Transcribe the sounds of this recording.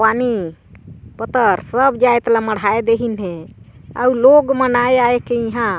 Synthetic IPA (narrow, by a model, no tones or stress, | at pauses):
ani | pət̪əɾsəbd͡ʒajt̪laməɽ̤ʱaed̪eɦinɦẽa̰uloɡmənajaekeĩɦã